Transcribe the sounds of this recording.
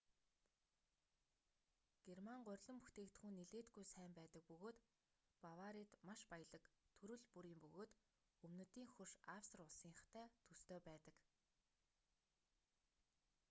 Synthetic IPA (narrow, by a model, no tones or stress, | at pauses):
ɡ̥ermaɴɢʊ̟rʲɮɞ̆mpuxt̪ʰeːkt̪χuːnːeɮeːt̪ɡujsæːmpæːt̪ə̆k̚pɵɣoːt̪ | pawaɾit̪maʃpajə̆ɮə̆kt̪ʰɵɾɵ̆ɮpuɾiːmpɵɣoːt̪ | ɵmnɵ̆t̪iːŋxɵʃawsrʊɮsiːŋχt̪ʰæːt̪ʰɵst̪oːpæːt̪ə̆k